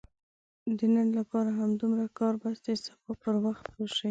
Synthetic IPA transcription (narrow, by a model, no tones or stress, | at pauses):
d̪ənənlapɑɾaɦamd̪umɾakɑɾbasd̪əsḁfɑpəɾwaxt̪̚poʃi